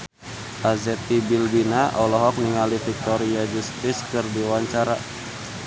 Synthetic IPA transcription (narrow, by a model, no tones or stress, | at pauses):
ʔazɛt̪ibilbinaʔɔlɔɦɔk̚niŋalifik̚t̪ɔɾiad͡ʒust̪ɪskɨrdiwaɲt͡ʃaɾa